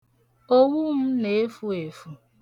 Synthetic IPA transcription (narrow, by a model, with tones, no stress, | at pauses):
o˦wu˦m̩˦ne˨e˦fu˦e˨fu˦